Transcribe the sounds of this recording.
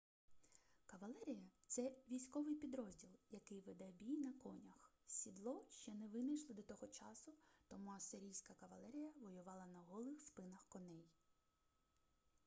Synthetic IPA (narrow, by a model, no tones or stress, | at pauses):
kɐʋɐlˠɛɾʲijɐt̪sɛʋʲijsʲkɔʋɪjpʲid̪ɾɔzʲdʲilˠjɐkɪjʋɪd̪ɛbʲijnɐkɔnʲɐxsʲid̪lˠɔʃt͡ʃɛnɛʋɪnɐjʃlˠɔd̪ɔt̪ɔɦɔt͡ʃɑsʊt̪ɔmuɐst̪ɪɾʲijsʲkɐkɐʋɐlˠɛɾʲijɐʋɔjʊʋɑlˠɐnɐɦɔlˠɪxspɪnɐxkɔnɛj